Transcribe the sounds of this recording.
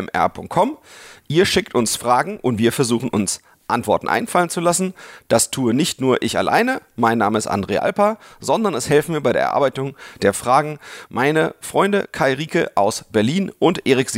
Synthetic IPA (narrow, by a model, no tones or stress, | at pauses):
mʔɛ̰ɐpʰʊŋkt̚kʰɔmʔiːɐʃɪktʊnsfʁ̥aːɡŋ̩ʔʊntv̥iːɐfɛɐzuːχn̩ʔʊns | ʔa̰ntv̥ɔɐtn̩ʔa̰ɪnfalənt͡sulasn̩d̥astʰuːənɪçtnuːɐʔɪça̰lʔa̰ɪnəmaɪnːaːməɪstʔa̰ndʁḛːʔa̰lpɐzɔndɐnɛshɛlftmiːɐbaɪḛːɐɐ̰ʔaɐːbaɪtʊŋd̥eːɐfʁ̥aːɡŋ̩mʔaɪnəfʁ̥ɔʏndəkʰaɪʁiːkə̰ʔaʊsb̥ɛɐliːnʔʊntʔeːʁɪkz̥